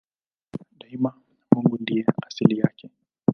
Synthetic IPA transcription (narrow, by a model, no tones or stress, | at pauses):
ɗaima | muŋɡundiaasilija̰kɛ